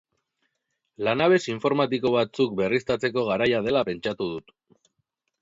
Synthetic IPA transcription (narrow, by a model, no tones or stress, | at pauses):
lanaβ̞e̞siɱfo̞ɾmat̪iko̞β̞at͡suk̚be̞rist̪at͡se̞ko̞ɣ̞aɾajað̞e̞lape̞nt͡ʃat̪uð̞ut̪